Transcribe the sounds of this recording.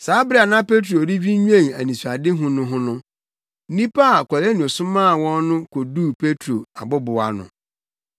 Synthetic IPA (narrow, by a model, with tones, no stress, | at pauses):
saː˨˦bɾa˨nã˦pe˦tʰɾo˨ɾi˦vi˦ɲᶣ˦ɛ̃˦˨ŋæ˨nĩ˨su˨a˨dɪ˦ɦʊ̃˦nʊ̃˦ɦʊ̃˦nʊ̃˦ | nĩ˦pa˦a˨kʰɔ˨ɾɛ˦nũ˨o˨sʊ̃˦mãː˦˨wɔ̃˦nː˦ʊ̃˦kʰo˨du˦˨pʰe˦tʰɾo˨a˨bʊ˦bʊ˨a˨nʊ̰̃˨